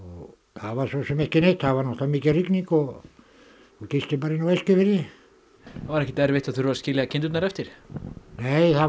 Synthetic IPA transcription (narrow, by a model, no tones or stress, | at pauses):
o | aːʋasosemehkineht̪haːʋanoht̪ɑmiːkærikniko | kot̪ist̪ipaɾinoʋeskiʋerje | vaɾɛhcːɪ̥t̪ɛɾvɪht̪aðθyɾvascɪljakʰɪnt̪yt̪naɾɛft̪ɪɾ̥neiθa